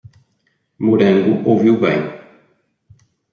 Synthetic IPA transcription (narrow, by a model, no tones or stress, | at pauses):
muɾẽŋɡʊʔowviwbḛ̃j̃